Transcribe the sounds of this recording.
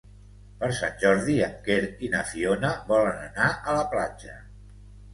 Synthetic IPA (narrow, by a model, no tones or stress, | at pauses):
pəɾsa̰nʲʒɔɾðiəŋkeɾinəfionəβɔlənənaʔələplad͡ʒə